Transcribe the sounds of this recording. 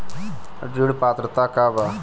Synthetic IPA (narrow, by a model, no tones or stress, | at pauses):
ɖiɽpat̪ɾət̪akaba